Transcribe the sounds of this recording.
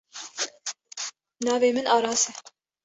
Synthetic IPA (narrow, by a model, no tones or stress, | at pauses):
nɑːveːmɨnɑːɾɑːsɛ